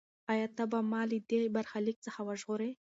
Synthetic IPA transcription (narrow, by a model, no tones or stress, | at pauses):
ajat̪abamɑlid̪ebaɾxalik̚t͡səxawaʒʁʊɾe